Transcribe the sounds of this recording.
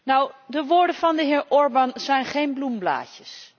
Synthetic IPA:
nɔwdəʋoːɹdəvɑndəɦɪːɹʔɔɹbɑnzɛjnχejnblumbla̰ːcəs

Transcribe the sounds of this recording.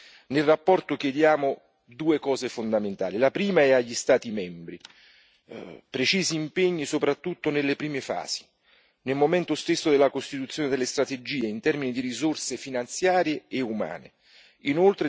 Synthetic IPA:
nelrapːɔrt̪ok̟jed̪jaːmo | d̪uːekɔːzefond̪ament̪a̰ːlilapɾiːmaɛaʎːist̪aːt̪imɛmbɾi | pɾet͡ʃiːziːmpeɲːisopɾat̪ːut̪ːonelːepɾiːmefa̰ːz̥i̥ | nelmomɛnt̪ost̪esːod̪elːakost̪it̪ut̪sːjoːned̪elːest̪ɾat̪ed͡ʒiːeint̪ɛrminid̪iɾizorsefinant̪sjaːɾjeːuma̰ːnḛ | inolt̪ɾe

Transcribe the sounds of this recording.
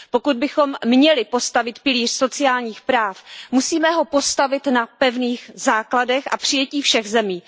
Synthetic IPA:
po̞kud̪̚bɪxo̞mːɲɛlɪpo̞st̪avɪt̪pɪliːr̥so̞t͡sɪaːlɲiːxpɾaːfmusiːmɛɦo̞po̞st̪avɪt̪napɛvniːxzaːkladɛxʔa̰pr̝̥ɪjɛciːfʃɛɣzɛmiː

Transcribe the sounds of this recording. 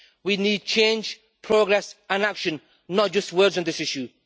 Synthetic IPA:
winiːd̚t͡ʃʰẽɪ̃nd͡ʒ | pʰɹ̥oɡɹɛsə̃nakʃə̃nː | ət̚d͡ʒ̥ʌst̚wɜːdz̃n̩ðɪsɪʃju

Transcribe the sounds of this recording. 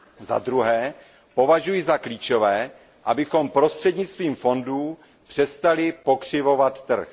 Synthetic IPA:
za̰d̪ɾuɦɛː | po̞vaʒujɪzakliːt͡ʃo̞vɛː | ʔabɪxo̞mpɾo̞st̪r̥ɛdɲɪt͡st̪viːmfo̞nduː | pr̥ɛst̪alɪpo̞kr̝̥ɪvo̞vat̪ːr̩x

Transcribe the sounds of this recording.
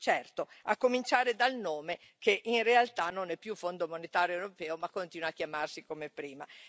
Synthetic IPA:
t͡ʃɛrt̪oakːomint͡ʃaːɾed̪alnoːme | keʔinrealt̪anonɛpːjufond̪omonet̪aːɾjoewɾopɛːomakːont̪iːnwaːkːjamarsikomepɾiːma

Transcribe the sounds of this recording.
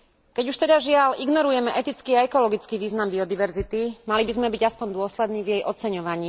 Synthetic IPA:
kɛɟuʃt̪ɛd̪aʒɪaliɡnɔɾujɛmɛʔɛt̪it͡skiːaɛkɔlɔɡit͡skiʋiːznambiɔd̪iʋɛɾzit̪imalibizmɛbiɟaspɔɲd̪ʊɔslɛd̪niːvjɛjʔɔt͡sɛɲɔʋaɲiː

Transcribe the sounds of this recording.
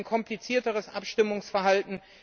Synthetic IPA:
nkʰɔmplit͡siːɐtəʁ̞əsʔa̰pʃtɪmʊŋsfɛɐɦaltn̩

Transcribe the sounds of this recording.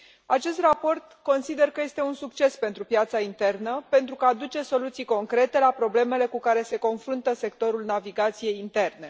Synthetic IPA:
at͡ʃe̞st̪rapo̞rt̪ko̞nsid̪e̞rkəje̞st̪e̞unsuk̚t͡ʃe̞spe̞nt̪ɾupjat̪saint̪e̞rnəpe̞nt̪ɾukaːd̪ut͡ʃe̞so̞lut̪sijko̞ŋkɾe̞t̪e̞lapɾo̞ble̞me̞le̞kukaɾe̞se̞ko̞nfɾunt̪əse̞k̚t̪o̞ɾulnaviɡat̪sije̞jint̪e̞rne̞

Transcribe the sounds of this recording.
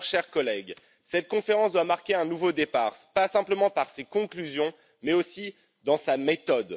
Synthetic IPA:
ʃɛʁkɔlɛɡ | sɛt̪̚kɔ̃feʁɑ̃sd̪wamaʁkʲeɛ̃nuvod̪epaːʁpasɛ̃pləmɑ̃paʁsekɔ̃klyzjɔ̃ | mɛosi | d̪ɑ̃samet̪ɔd̪

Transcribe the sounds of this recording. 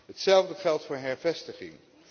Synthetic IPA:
ɦətsɛlˠvdəχɛlˠtfʊːɹɦɛɹvɛstəχɪ̰ŋ

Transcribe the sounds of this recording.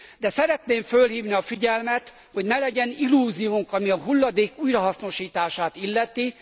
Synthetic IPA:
d̪ɛsɛɾɛt̪neːɱfølhiːvniɒfiɟɛlmɛt̪ | hoɟnɛlɛɟɛnilːuːzijuŋkɒmiɒɦulːɒd̪eːkuːjrɒɦɒsno̞ʃiːt̪aːʃaːt̪ilːɛt̪i

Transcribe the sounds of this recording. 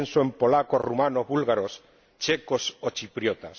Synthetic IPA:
nsoempolakorumanoβulɣaɾos | t͡ʃekosot͡ʃipɾjot̪as

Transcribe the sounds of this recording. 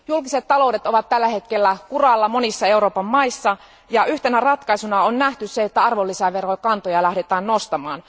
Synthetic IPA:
julkiset̪t̪ːɑlo̞udet̪o̞ʋɑt̪t̪ælːæhe̞t̪kelːækurɑlːɑmo̞nisːɑe̞uɾo̞ːpɑmːɑisːɑ | jɑʔyht̪enærɑt̪kɑisunɑonnæht̪ysseet̪ːæɑrʋolːisæʋe̞ro̞jkɑnt̪ojɑlæhdet̪æːnno̞st̪ɑmɑːn

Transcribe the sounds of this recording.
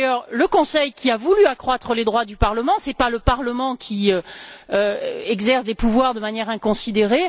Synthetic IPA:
jœʁləkɔ̃sɛjkʲiavulyakχwat̪χəled̪ʁwad̪ypaʁləmɑ̃sɛpaləpaʁləmɑ̃kʲʰiøøɛɡzɛʁsd̪epuvwaʁd̪əmanjɛʁɛ̃kɔ̃sid̪eʁe

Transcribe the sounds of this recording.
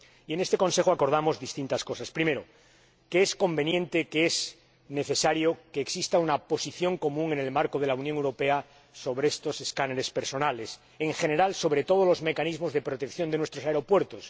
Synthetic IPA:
ie̞nest̪e̞ko̞nse̞xoako̞ɾð̞amo̞zðist̪int̪asko̞saspɾime̞ɾo | keesko̞mbe̞njẽ̞nt̪ekeez | ne̞θe̞saɾjokeːksist̪aunapo̞siθjo̞ŋko̞mũŋe̞ne̞lmaɾkoð̞e̞lauwnjoŋewɾo̞pe̞a | so̞βɾeest̪o̞se̞skaneɾespe̞ɾso̞nale̞s | e̞ŋxe̞ne̞ɾalso̞βɾe̞t̪o̞ð̞olo̞zme̞kanizmo̞zðe̞pɾo̞t̪ekθjo̞nd̪enwest̪ɾo̞saeɾo̞pwe̞ɾt̪os

